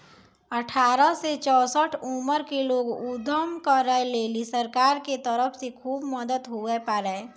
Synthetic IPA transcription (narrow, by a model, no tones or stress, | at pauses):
əʈʰaːɾəset͡ʃɔːsəʈʰuməɾkeloːɡʊd̪ʱəmkəɾəɦeleːlisəɾkaːɾket̪əɾəfsekʰuːbməd̪ət̪ɦuepəɾəe